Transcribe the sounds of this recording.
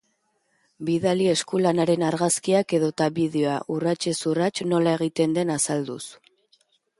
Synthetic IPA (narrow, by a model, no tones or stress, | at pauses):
biðalie̞skulanaɾe̞naɾɣaskiake̞ðo̞t̪aβið̞eoaʔurat͡ʃe̞surat͡ʃno̞lae̞ɣ̞it̪e̞nd̪e̞nasald̪us